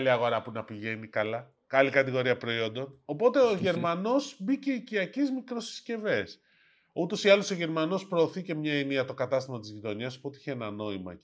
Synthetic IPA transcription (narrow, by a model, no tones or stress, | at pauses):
liɐɣo̞ɾɐpunɐpiʝe̞nikɐlɐ | kɐlikɐt̪iɣo̞ɾiɐpɾo̞io̞nd̪o̞no̞po̞t̪e̞oʝe̞ɾmɐno̞zbiceiciɐcizmikɾosi̥sce̞ve̞s | ut̪o̞siɐlo̞so̞ʝe̞ɾmɐno̞spɾo̞ːθice̞mɲɐeniɐt̪o̞kɐt̪ɐst̪imo̞t̪izʝit̪o̞ɲiɐso̞̥pot̪eiçeenɐno̞imɐ̰